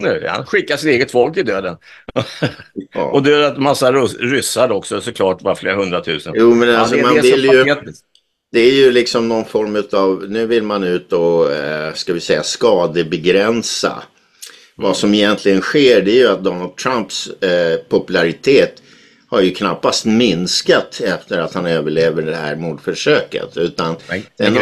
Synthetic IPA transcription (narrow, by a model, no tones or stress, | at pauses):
ha̰nɧɪkːaʂɪt̪eːɡət̪fɔlk̚t̪ɪd̪øːd̪ən | ɔd̪ɛjœːɾat̪masːaɾɾʏsːad̪ɔksɔsɔkʰlɑːʈvaɾfleːɾaɦɵnd̪ɾat̪ʰʉ̟ːsənjuːmɛnalsɔmanvɪljɵ | d̪̥ɛæɾjɵlɪksɔmnɔnfɔɾmʉ̟t̪ɑvnʉ̟ːvɪlmanʉ̟ːt̪ɔ | skavɪsɛjːaskɑːd̪əbɛɡɾɛnsa̰ | vasɔmɛjɛnt̪ʰlɪɡənɧeːɖɛːjɵat̪̚d̪ɔnald̪̚t̪ʰɾampspʰɔpɵlaɾɪt̪ʰeːt̪ | haɾjɵkʰnapːast̪mɪnskat̪ɛft̪əɾat̪hanøːvəɭeːvəɖɛhæ̰ɾmuːd̪fœʂøːkə̰t̪ʉ̟ːt̪and̪ɛn